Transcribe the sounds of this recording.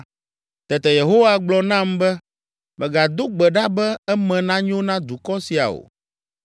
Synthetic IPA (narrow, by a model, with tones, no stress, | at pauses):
t̪ɛ˨t̪ɛ˨je˨ɦo˦wa˦ɡ͡blɔ˨nã˦mbɛ˦ | mɛ̃˨ɡa˨d̪o˦ɡ͡bɛ˨ɖa˦bɛ˦ɛ˦mɛ̃˨nã˦ɲ˦õ˦nã˦d̪u˨kɔ˦si˨a̰˨o̰˨